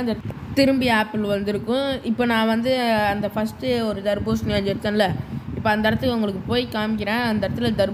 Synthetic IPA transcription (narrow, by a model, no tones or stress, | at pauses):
nd̪ɐ | t̪ɪɾɯmbɪaːpːɪlʋɐnd̪ɪɾɯkːʊ̃ɪpːoːnãːʋɐnd̪ɯɐnd̪ɐfɐsʈɯɔɾɯd̪ɐɾboːsnɪjad͡ʒɪɾɯt̪ːɐ̃nɪlːɐɪpːoːɐnd̪ɐɾɐt̪ːɯkːɐʊŋɡɐɭɯk̬ːɯpoːjikaːmɪk̬ʲːɪɾẽːɐnd̪ɐɾɐt̪ːɯlɐd̪ɐɾ